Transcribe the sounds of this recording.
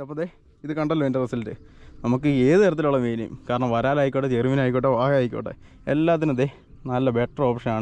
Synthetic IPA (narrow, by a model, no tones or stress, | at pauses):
ɐpːoðe | iðɨkɐɳɖɐlːɐʋeːndɐt̪ɐsɐltɨ | nɐmukːɨeːðɨeɾɐt̪ːiluɭːɐmʋeːnɐjṵmkaːɾɐɳɐmʋɐɾaːlaːjikʲːoːʈeteriminaːjikʲːoːʈːeʋaːɦaːjikʲːo̰ːɳʈːḛ | elːaːt̪̬ːinmɐðe | nɐlːɐbeʈːro̞ːpʂɐnaːɳɨ